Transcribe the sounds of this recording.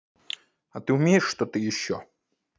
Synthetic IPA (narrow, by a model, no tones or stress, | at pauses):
ɐt̪ɨʊmʲejɪʂːt̪ɔt̪ɨjɪɕːɔ